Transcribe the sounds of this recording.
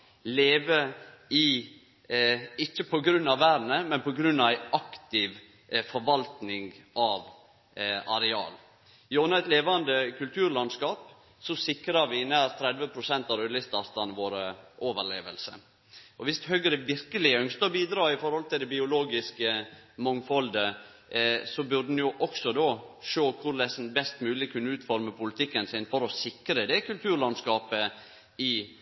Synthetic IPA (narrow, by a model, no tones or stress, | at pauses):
leːʋəɪ | ɪt͡ʃːəpʰɔɡɾʉnːɑʋːæːɾnəmɛnpɔɡɾʉnːɑʋæɪɑkt̪ɪʋ | fɔɾʋɑlt̪nɪŋɡʔɑʋ | ɑɾɛɑ̰ːl | joːnəɛt̪leːʋɑnd̪əkʉlt̪ʰʉːɾlɑnskɑːp | sɔsɪkɾɑɾʋɪnæːɾt̪ʰɾɛd̪ʋəpʰɾʊsɛnt̪ɑɾœlɪst̪ɑɾt̪ɑnʋoːɾəʔoːʋəɾɭeːʋəlsə̰ | ʔɔʋɪst̪hœɡəɾəʋɪɾkəlɪœŋst̪əbiːd̪ɾɑːɪfɔɾhɔlt̪ɪld̪ɛbɪʊloːɡɪskəmɔŋfɔld̪ə | sɔbʉɖn̩jʊʔɔksɔd̪oːʃoːkʰʊɾlɛsn̩bɛst̪mʉːlɪkʰʉnːəʉːt̪fɔɾməpʰʊlɪt̪ʰɪkːənsɪnfɔɾɔsɪkɾəd̪ɛkʉlt̪ʰʉːɾlɑnskɑːpə | ɪ